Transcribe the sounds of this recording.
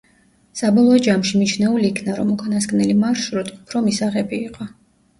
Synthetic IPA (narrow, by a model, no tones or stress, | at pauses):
sabɔlˠɔːd͡ʒamʃimit͡ʃʰnɛuliːkʰnaɾɔmukʰʼanasɡʼnɛlimaɾʃɾut̪ʰupʰɾɔmisaʁɛbiːqʼɔ